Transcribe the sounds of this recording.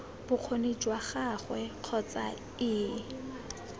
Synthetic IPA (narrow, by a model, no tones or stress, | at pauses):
b̥ʊq͡χʰonet͡ʃwaχaχwɛq͡χʰɔt͡sa | ɪː